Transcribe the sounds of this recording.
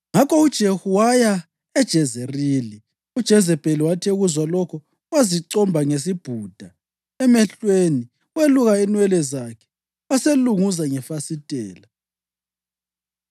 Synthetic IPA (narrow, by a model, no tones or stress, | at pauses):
ŋakʰɔud̥ʒ̥ʱehuwaja | ɛd̥ʒ̥ʱɛzɛriːli | ud̥ʒ̥ʱɛzɛb̥ʱʼeliwatʰeuɣuzwalɔkʰɔ | waziǀɔmbʱaŋes̬ib̥ʱuːd̥ʱa | ɛmɛɬweni | weluɣainwɛlɛzakʰɛ̥ | waseluŋuzaŋɛfasitʼɛːla